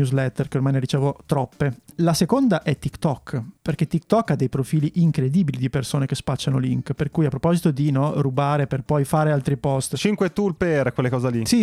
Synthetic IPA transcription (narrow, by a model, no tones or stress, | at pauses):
uzlɛt̪ːerkeormajneɾit͡ʃeːvot̪ɾɔpːelasekond̪aʔɛt̪ːikt̪ɔkːperk̟et̪ːik̚t̪ɔkːad̪ːejpɾofiːliʔiŋkɾed̪iːbilid̪ipersoːnekespat͡ʃːanoliŋkperkuːjapːɾopɔzit̪od̪inɔrubaːɾeperpɔjfaːɾealt̪ɾipɔst̪t͡ʃiŋkwet̪ulperkwelːekɔːzalisi